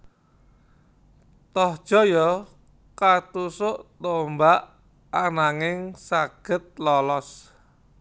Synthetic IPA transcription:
t̪ɔhd̥ʒ̥ɔ̤jɔ | kat̪usʊʔt̪ombaʔ | anaŋɪŋsaɡ̥ə̤t̪̚lɔlɔs

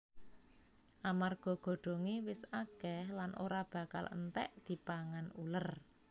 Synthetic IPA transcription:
ʔamarɡ̥ɔ̤ɡ̥o̤ɖ̥o̤ŋewɪsaɡ̥ɛhlanʔo̰ɾab̥a̤ka̰lə̰nt̪ɛ̰ʔd̪̥i̤paŋanṵlər

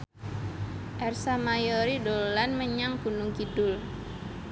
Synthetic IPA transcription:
ʔɛrsamajɔɾidolanməɲaŋkunuŋkidʊl

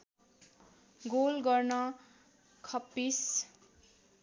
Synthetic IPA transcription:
ɡolɡʌrnʌ | kʰʌpːis

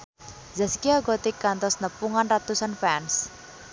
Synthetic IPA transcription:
zaskiaɡɔt̪ikant̪ɔsnəpuŋanrat̪usanfɛns

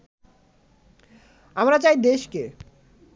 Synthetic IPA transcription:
amɾat͡ɕajd̪eʃke

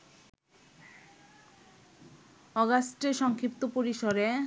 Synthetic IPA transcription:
ɔɡasʈeɾʃɔŋkʰɾip̚t̪opoɾiʃoɾe

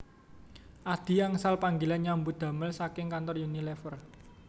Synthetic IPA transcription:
ʔad̪̥i̤aŋsalpaŋɡilanɲambud̪̥ä̤məlsakɪŋkant̪ɔrjunilɛfər

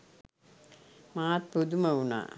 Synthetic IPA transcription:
maːt̪̚pud̪umɐuna̰ː

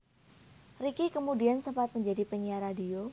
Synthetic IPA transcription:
rikikəmudiansəmpat̪̚məɲd͡ʒadipəɲiaɾadio

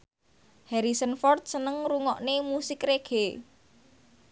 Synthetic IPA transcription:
hɛɾisənfɔrt̪̚sənəŋɾuŋɔʔnemusɪkreɡ̥e

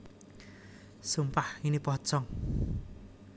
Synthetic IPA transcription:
sumpaħinipɔt͡sɔŋ

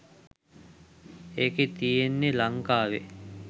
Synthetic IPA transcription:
eket̪ijenːelaŋkaːʋḛ

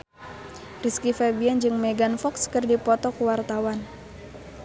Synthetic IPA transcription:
riskifɛbiɛnd͡ʒɨŋmeɡanfɔkskɨrdipɔt̪ɔkuwart̪awan

